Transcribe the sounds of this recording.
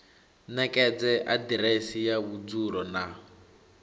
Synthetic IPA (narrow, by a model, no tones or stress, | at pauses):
nɛkʼɛd͡zɛʔadiɾesijaβud͡zuɺɔna